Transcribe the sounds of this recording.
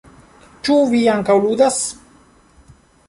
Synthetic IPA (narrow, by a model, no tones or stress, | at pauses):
t͡ʃuviaŋkawlud̪as